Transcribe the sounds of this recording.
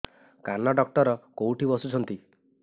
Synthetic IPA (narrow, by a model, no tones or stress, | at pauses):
kanɔɖɔk̚ʈɔɾɔkowʈibɔsut͡ʃʰɔnt̪i